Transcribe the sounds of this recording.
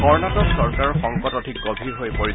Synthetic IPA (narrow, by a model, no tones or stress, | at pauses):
kɔɹnatɔksɔɹkaɹɔxɔŋkɔtɔdʱik̚ɡobʱiɹɦojpoɹi